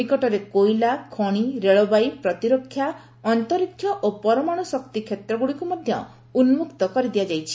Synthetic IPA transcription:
ikɔʈɔɾekojlakʰɔɽ̃iɾeɭɔbajpɾɔt̪iɾokʰːja | ɔnt̪ɔɾikʰːjɔʔopɔɾɔmaɽ̃ɔsɔkt̪ikʰjet̪ɾɔɡuɽikumɔd̪ʱjɔ | unmukt̪ɔkɔɾid̪ijad͡ʒajt͡ʃʰi̥

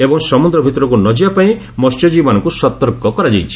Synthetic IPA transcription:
ebɔŋsɔmund̪ɾɔbʱit̪ɔɾɔk̬unɔd͡ʒiapaĩ | mɔst͡ʃɔd͡ʒimanɔŋkusɔt̪ɔɾkɔkɔɾad͡ʒajt͡ʃʰi̥

